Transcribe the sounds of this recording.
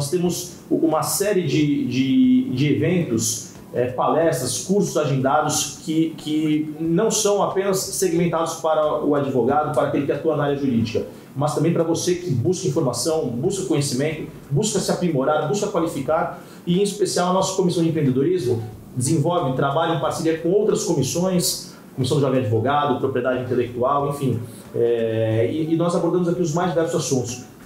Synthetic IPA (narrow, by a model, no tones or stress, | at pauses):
ɔst̪ẽmʊz | ũmɐsɛɾɪd͡ʒɪd͡ʒɪd͡ʒɪevẽnt̪ʊs | ɛpalɛst̪ɾɐskuɾsʊzaʒẽnd̪ad̪ʊskɪkʰɪnɐ̃w̃sɐ̃w̃apẽnɐsːeɡimẽnt̪ad̪ʊspaɾɐʊad͡ʒivoɡad̪ʊpaɾɐakelɪkɪat̪uɐnaaɾjɐʒuɾid͡ʒikɐ | mɐst̪ɐ̃bẽj̃pɾɐvosekɪbuskɐĩfoɾmasɐ̃w̃buskɐkõɲesimẽnt̪ʊ | buskɐsɪapɾimoɾaɾbuskɐkwalifikaɾ | ɪẽispesiawɐnɔsɐ̥kõmisɐ̃w̃d͡ʒɪẽpɾẽnd̪ed̪oɾizmʊ | d͡ʒɪzẽvɔwvɪ̃t̪ɾabaʎʊẽpaɾsilieɾkõowt̪ɾɐskomisõj̃s | komisɐ̃d̪ʊʒɔvẽad͡ʒivoɡad̪ʊpɾopɾied̪ad͡ʒɪĩnt̪elek̚t̪uawẽfĩ | ɛɪːnɔzaboɾd̪ɐ̃mʊzakiʊzmajzd͡ʒivɛɾsʊzasũnt̪ʊ̥s